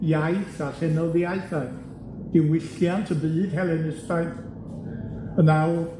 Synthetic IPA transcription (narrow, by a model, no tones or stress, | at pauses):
jajθaɬɛnɔðiajθa | d̥ɪwɪɬjantʰəbɨːð̥hɛlˠɛnɪstajθ | ənaw